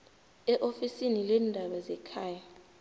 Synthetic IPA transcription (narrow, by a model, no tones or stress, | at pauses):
ɛʔofisinilɛːndʱaɓazɛkʰaːja